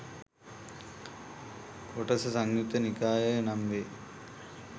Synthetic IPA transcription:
koʈɐsɐsaŋjut̪ənikaːjənamʋeː

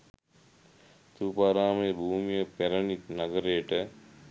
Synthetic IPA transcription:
t̪uːpaːɾaːmeːbʱuːmijəpeɾənik̪naɡəɾejʈə

